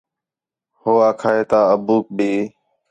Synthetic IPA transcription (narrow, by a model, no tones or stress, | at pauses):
hoːaːkʰaːɦeːt̪aːəbuːk̚biː